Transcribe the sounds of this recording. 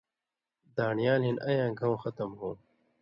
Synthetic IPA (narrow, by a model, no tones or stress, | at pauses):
d̪aːɳijaːlinʔɐjãːɡʱɐ̃w̃xɐt̪ɐmɦũː